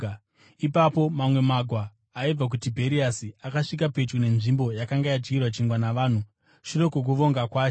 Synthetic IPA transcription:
ipapo̞mamwe̞maɡʱwaː | ib͡vak̬utibʱe̞ɾiasiakaʂik̬ape̞t͡ʃune̞nʐimbo̞jakaŋɡajad͡ʒɡirwat͡ʃiŋɡwanaʋaːn̤u | ʃuro̞kuk̬uʋo̞ŋɡakwaːt͡ʃ

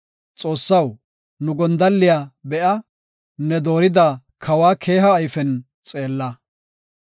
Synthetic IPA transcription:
t͡sʼo̞ːsːɐw | nʊɡɔnd̪ɐlːɪjaːbɛʔɐ | nɛd̪o̞ːɾɪd̪a | kʰɐwaːkʰe̞ːɦɐːjfɛn | t͡sʼe̞ːlːɐ

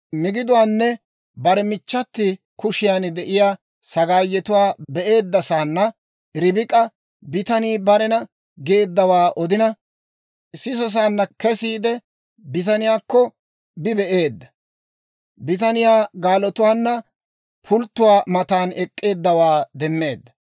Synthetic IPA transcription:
mɪɡɪd̪ʊwaːnːɛ | bɐɾɛmɪt͡ʃːɐt̪ːɪ | kʊʃɪjand̪ɛʔɪjaː | sɐɡaːjːɛt̪ʊwaːbɛʔe̞ːd̪ːɐsaːnːɐ | ɾɪbɪkʼɐ | bɪt̪ɐniːbɐɾɛnɐ | ɡeːd̪ːɐwaːʔɔd̪ɪnɐ | sɪs̬ɔs̬aːnːɐkɛsiːd̪ɛ | bɪt̪ɐnɪjaːkːɔ | bɪbɛʔeːd̪ːɐ | bɪt̪ɐnɪjaːɡaːlɔt̪ʊwaːnːɐ | pʰʊlt̪ːʊwaːmɐt̪aːnɛkʼːe̞ːd̪ːɐwaːd̪ɛmːe̞ːd̪ːɐ

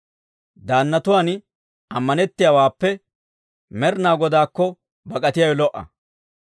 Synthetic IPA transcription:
d̪aːnːɐt̪ʊwaːn | ɐmːɐnɛt̪ːɪjawaːpːɛ | mɛɾnaːɡɔd̪aːkːɔ | bɐkʼɐt̪ɪjɐjɔlɔʔːɐ̰

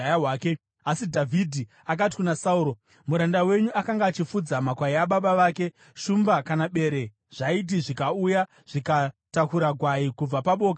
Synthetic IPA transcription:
ajawaːke | asidʱavʱidʱi | ak̬at̬i̥kunasauɾo̞ | muɾandawe̞ɲuakaŋɡaːt͡ʃifud͡zamakwaiaɓaɓaʋaːke̞ | ʃumbakanaɓe̞ɾe̞ | ʐ̥ait̬iʐikauja | ʐ̥ikatakuɾaɡʱwaikub͡vapaɓo̞ːk̬a

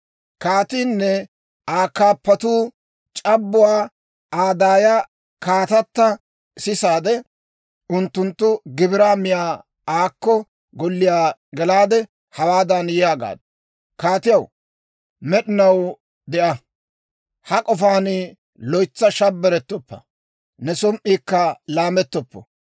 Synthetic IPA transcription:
kaːt̪iːnːɛ | aːkːaːpːɐt̪uː | t͡ʃʼɐbːʊwaː | aːd̪aːja | kaːt̪ɐt̪ːɐ | sɪsaːd̪ɛ | ʊnt̪ːʊnt̪ːʊɡɪbɪɾaːmɪjaː | aːkːɔ | ɡɔlːɪjaːɡɛlaːd̪ɛ | hɐwaːd̪ɐnjɪjaːɡa̰ːd̪ | kaːt̪ɪjɐw | mɛɗɪnɐw | d̪ɛʔɐ | hɐkʼɔfaːnɪ | lɔjt͡sːɐʃɐbːɛɾɛt̪ːɔpːɐ̰ | nɛsɔmʔːiːkːɐlaːmɛt̪ːɔpːɔ̰

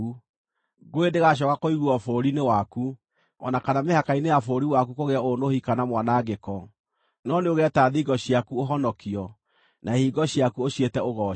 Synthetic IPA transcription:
u | ɡoedeɣaɕ̬ɔkakoiɣuɔfoɾinewaku | ɔ̰nakanamehakainejafoɾiwakukoɣeaonohikanamwanaɡekɔ | nɔneoɣɛtaðiɡɔɕiakuoɦɔnɔkiɔ | nʔaehiːɡɔɕiakuoɕjetɛoɣɔ

